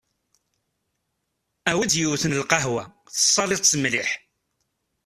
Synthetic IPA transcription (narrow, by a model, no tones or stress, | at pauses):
æwid̪juwθənəlqɑɦwæ | θə̥sˤːɑlɪðt͡sːəmliħ